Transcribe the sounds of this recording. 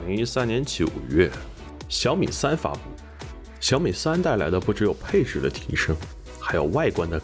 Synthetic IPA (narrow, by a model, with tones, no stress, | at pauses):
li˧˥ŋi˥sa˥nnjɛ˧˥nt͡ɕo˧˩ṵ˨˩ɥɛ˥˩ | ɕjɑ˧˥ʊmḭ˨˩sa˥nfa̰˧˥pu˥˩ | ɕjɑ˧˥ʊmi˨˩sa˥nt̪a˥˩ɪla˧˥ɪd̪ə˧pu˥˩ʈ͡ʂɻ̩˧˥jo˨˩ʊpʰe˥˧ɪʈ͡ʂɻ̩˥˩d̪ə̰˦t̪ʰḭ˧˥ʂɤ˥ŋ | xa˧˥ɪjo˨˩ʊwa˥˩ɪkwa˥nd̪ə˨˩